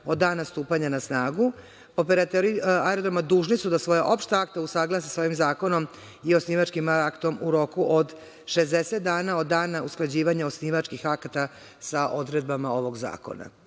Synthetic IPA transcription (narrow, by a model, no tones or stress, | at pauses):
o̞d̪ːaːnast̪uːpaɲanasnaːɡu | opeɾat̪oɾiaeɾod̪ɾomad̪uːʒnisud̪asʋo̞jaʔo̞pʃt̪aakt̪ausaɡlˠas̬isao̞ʋimzaːko̞no̞m | iosniːʋat͡ʃkimakt̪o̞mʔuɾo̞kuʔod̪ | ʃe̞zd̪eset̪̚d̪aːnao̞d̪dːaːnausklˠad͡ʑiːʋaɲao̞sniːʋat͡ʃkixakat̪a | saʔo̞d̪ɾe̞d̪̚bamao̞ʋo̞ɡza̰ːko̞̰na̰